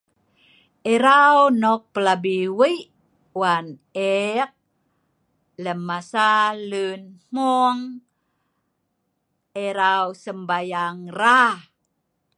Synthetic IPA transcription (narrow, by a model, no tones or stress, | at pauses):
eɾawnɔk̚pəlabiwiʔ | wanek̚ | ləmːasalunm̥uŋ | eɾawsəmbajaŋra